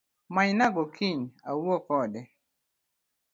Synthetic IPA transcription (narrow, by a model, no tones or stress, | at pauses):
majnaɡɔkʰɪɲawɔkɔdɛ